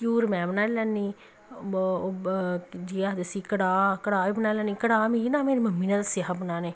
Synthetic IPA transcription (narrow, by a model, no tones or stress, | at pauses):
kuːɾmɛ̃ːbənaːlɛnːiː | d͡ʒiːaːd̪əsiːkəɽaːkəɽaːiːbənaːlɛːnːiːkəɽaːminãːmeːɾeməmːiːnəlsɪɦapnaːneː